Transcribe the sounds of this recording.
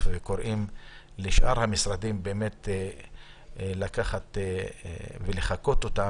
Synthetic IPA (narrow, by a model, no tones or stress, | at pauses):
veko̞ɾʔim | liʃʔaʁhamisɾad̪imbeːme̞t̪ | lakaχat̪ | veleχako̞t̪o̞t̪a